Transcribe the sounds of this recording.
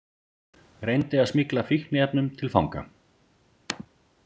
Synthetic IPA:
rejnt̪ɪaðsmɪklafihnɪɛpnʏmt̪ʰɪlfa̰wŋka̰

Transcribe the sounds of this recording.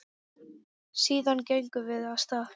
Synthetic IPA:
siːðancejŋkʏvɪðaðst̪aːf

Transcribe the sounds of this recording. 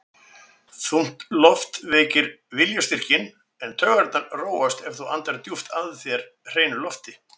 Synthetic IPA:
θum̥t̪lɔft̪veːcɪɾvɪljast̪ir̥cɪn | ɛnt̪ʰœːɣaɾt̪naɾroːwast̪ɛfθuant̪aɾt̪juft̪ʰaðθjɛɾ | r̥eːjnʏlɔft̪ɪ

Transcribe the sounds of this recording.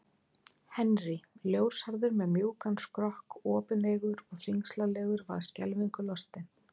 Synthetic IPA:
hɛnriljoːwɾ̥shaɾðʏɾmɛðmjuːwkanskɾɔhkɔːpɪneːɣʏɾɔɣθiŋslalɛːɣʏɾva̰ðscɛ̰lviŋkʏlɔst̪ɪn

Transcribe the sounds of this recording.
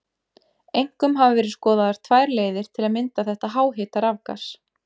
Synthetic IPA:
ejŋ̥kʏmɦavɪvɛːɾɪðskɔːðaðaɾ̥t̪ʰvajɾleːjðɪɾ̥t̪ʰɪlaðmɪnt̪aθɛht̪aɦaːwɦɪːt̪aɾavka̰s

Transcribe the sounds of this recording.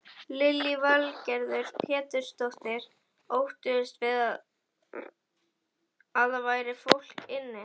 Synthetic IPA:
lɪlːivalcɛɾðʏɾ̥pʰɛːt̪ʏɾ̥st̪oht̪ɪɾ̥ | owht̪ʏɪst̪vɪða | aðavaːjɾɪfowl̥kɪnːɪ

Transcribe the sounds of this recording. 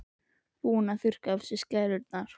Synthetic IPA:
puːnaθʏr̥kafsɪscɛɾʏɾt̪naɾ̥

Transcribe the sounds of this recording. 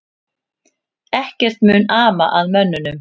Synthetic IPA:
ɛhcɛr̥t̪mʏːnaːma̰ʔaðmœnːʏnʏm

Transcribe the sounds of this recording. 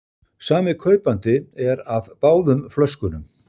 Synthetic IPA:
saːmɪkʰœːɥpant̪ɪɛɾavpaːwðʏmflœskʏnʏm

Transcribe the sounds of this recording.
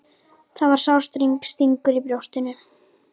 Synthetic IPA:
θaðvaɾ̥sawst̪ɾiŋkst̪iŋkʏɾipɾjowst̪ɪnːʏ

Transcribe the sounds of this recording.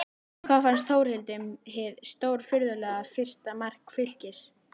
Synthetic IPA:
kʰvaːfanst̪θowɾ̥hɪlt̪ʏmɦɪðst̪oːwɾ̥fʏɾðʏlɛːɣafɪr̥st̪amar̥kfɪl̥cɪs

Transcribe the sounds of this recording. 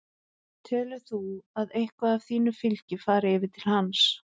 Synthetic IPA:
t̪ʰɛːlʏθuaðejhkvaðavθiːnʏfɪlcɪfaːɾɪɪːvɪt̪ʰɪlhans

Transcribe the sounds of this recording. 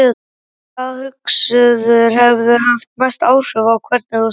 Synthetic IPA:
kʰaðhʏksʏðʏɾ̥hɛvðʏɦaft̪majst̪aːwr̥ʏvawkʰvɛɾt̪nɪθu

